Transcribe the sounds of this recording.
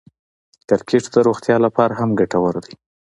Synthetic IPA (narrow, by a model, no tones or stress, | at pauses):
k̪aɾkʰeʈd̪əɾoɣt̪jɑlapɑɾaɦamɡaʈawəɾd̪ij